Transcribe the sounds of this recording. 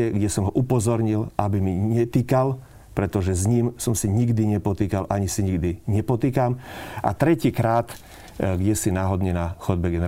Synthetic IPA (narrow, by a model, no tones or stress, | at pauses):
ɛɡɟɛsɔmɦɔʔupɔzɔɾɲilʔabimiɲɛt̪ikal | pɾɛt̪ɔʒɛzɲiːmsɔmsiɲiɡd̪iɲɛpɔt̪iːkalʔaɲisiɲiɡd̪iɲɛpɔt̪iːkamʔa̰t̪ɾɛciːkɾaːt̪ | ɡɟɛsinaːɦɔd̪ɲɛnaxɔd̪̚bɛɡɛnɛ